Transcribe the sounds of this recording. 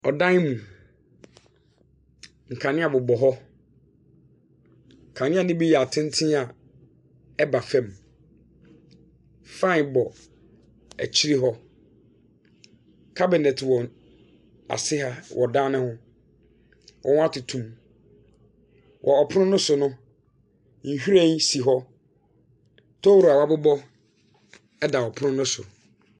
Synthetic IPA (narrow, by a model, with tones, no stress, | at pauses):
ɔ˨dã˦n˦mũ˨ | ŋ̩˨kʰã˨nɪ̃˦a˨bʊ˨bɔ˨ɦɔ˦ | ŋ̩˨kʰã˨nɪ̃˦a˨nɪ̃˦bi˦jɛ˨a˨tʰɪ̃˦n˦tʰĩ˦a˨ | ɛ˦ba˨fɛ̃˨m | fã˦˨bɔ˨ | ɛ˨t͡ɕʰi˦ɾi˦ɦɔ˦ | kʰa˦bɪ˨nɛ˨tʰwɔ˨ | a̰˨sɪ˦ha˦wʔɔ˨dãː˦nɪ̃˦hʊ̃˦ | wʔɔ̰˨w̃a˦tʰʊ˨tʰũ˦m | wʔɔ˨ɔ˨pʰʊ˦nʊ̃˦nʊ̃˦sʊ˨nʊ̃˦ | n̩˨hᶣu˦ɾɛ̃˦n˦si˨ɦɔ˦ | tʰɔ˦wɾu˨a˨wa˦bʊ˦bɔ˦ | ɛ˦da˨ɔ˨pʰʊ˦nʊ̃˦nʊ̃˦sʊ̰˨